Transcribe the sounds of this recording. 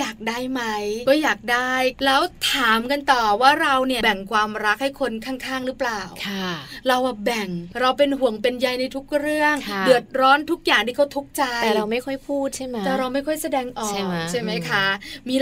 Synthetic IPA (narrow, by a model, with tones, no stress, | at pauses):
jaː˨˩k̚daː˥˩jma˦˥jkɔː˥˩jaː˨˩k̚daː˥˩jlɛː˦˥wt̪ʰaː˩˦mka˧nt̪ɔː˨˩waː˥˩ɾa˧wni˥˩bɛ˨˩ŋkʰwaː˧mɾa˦˥k̚ha˥˩jkʰo˧nkʰaː˥˩ŋkʰaː˥˩ŋɾɯː˦˥plaː˨˩wkʰa˥ɾa˧wʔa˧bɛ˨˩ŋɾa˧wp̬e˧nɦu˨˩əŋpe˧nja˧jna˧jt̪ʰu˦˥k̚ɾɯ˥˩əŋdɯ˨˩ət̪̚ɾɔː˦˥nt̪ʰu˦˥k̚jaː˨˩ŋt̪iː˥˩ka˦˥wt̪ʰu˦˥k̚t͡ɕa˧ɛ˨˩ɾa˧wma˥˩jkʰɔ˥˩jpʰuː˥˩t̪̚t͡ɕʰa˥˩˦t̪ɛː˨˩ɾa˧wma˥˩jkʰɔ˥˩jsa˧dɛː˧ŋʔɔː˨˥˩kt͡ɕʰa˥˩jma˦˥jkʰa˦˥miː˧